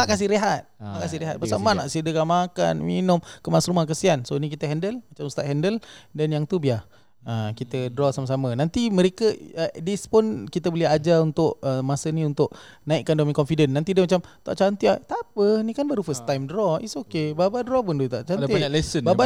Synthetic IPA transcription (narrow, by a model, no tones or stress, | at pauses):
t̪aʔkas̬ɪhɾeɦat̪̚t̪a̰ʔkas̬ɪhɾeɦa̰t̪̚paamanaʔsiədəkanmaka̰nmḭnʊmkəmasɾumahk̬əsiansonikit̪əɦɛndəlmat͡ʃamst̪aʔɦɛndəldanjaŋt̪ubiah | əkit̪ədɾɔsaməs̬amənant̪iməɾekəədispʊnkit̪əbolɛad͡ʒaunt̪ʊʔəmasəniunt̪ʊʔnaiʔkːandomiŋkɔnfidənːant̪idəmat͡ʃamt̪a̰ʔt͡ʃant̪iat̪apənikanbəɾufəst̪ajmdɾɔisokebabadɾɔpʊndut̪a̰ʔt͡ʃanialɛsənbaba